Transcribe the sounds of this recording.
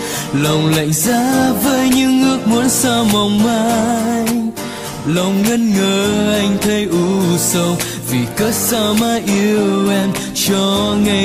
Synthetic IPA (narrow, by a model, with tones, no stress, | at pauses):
lə˨˩wŋ͡mla̰˧˨jŋ̟zaː˧˦vəː˨˦jɲɨ˧˥ŋːɨ˦˥ək̚mu˨˦ənsaː˧ma˨˩wŋ͡mmaː˧˦j | lə˨˩wŋ͡mŋə˧nŋəː˨˩ʔa˧jŋ̟t̪ʰə˧jʔu˧˦sə˧wŋ͡m | vi˨˩kəː˦˥t̚saː˧maː˧ʔi˧wʔɛ˧m | t͡ɕɔ˧ŋa˧